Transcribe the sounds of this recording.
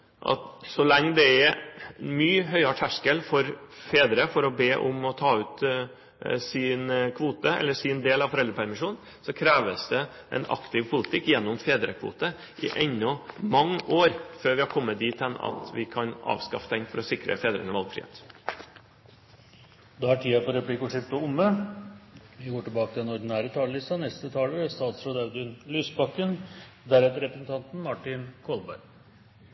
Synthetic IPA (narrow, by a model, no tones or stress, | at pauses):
ʔɑ̰t̪sɔlɛŋːd̪ɛɛmyːɦœʏɑʈʰæʂkəlfɔɾfeːd̪ɾəfɔɾɔbeːʔʊ̰mɔt̪ʰɑːʉːt̪ | sɪnkʰʋuːt̪əɛ̰lːəsɪnd̪eːlɑʋfɔɾɛld̪ɾəpʰæɾmɪʂuːn | sɔkʰɾæːʋəsd̪ɛ | ʔɛ̰nɑ̰kt̪ʰɪʋpʰʊlɪt̪ʰɪkːjɛnːʊmfeːd̪ɾəkʰʋṵːt̪ə | ʔɪʔɛɲːɔmɑŋːəʔoːɾføːɾʋɪhɑɾkʰɔmːət̪̚d̪iːt̪ɛnɑ̰t̪ʋɪkʰɑnɑ̰ːʋskɑfət̪ʰɛŋfɔɾɔsɪkɾə̰feːd̪ɾə̰nəʋɑlɡfɾɪ̰hḛːt̪ | d̪ɛæʈʰiːɑpɔɾɛplɪkʊʂɪpt̪əʊmːə | ʋɪɡoːʈɪlbɑːkət̪ʰɪɛnɔɖnæːɾət̪ʰɑːləlɪst̪ɑnɛst̪ət̪ʰɑːləɾəst̪ɑːt̪sɾɔd̪æʉd̪ʏnlyːsbɑkːən | d̪æɾɛt̪əɾɛpɾəsn̩t̪ɑnt̪n̩mɑʈɪnkʰɔlbæ̰ɾɡ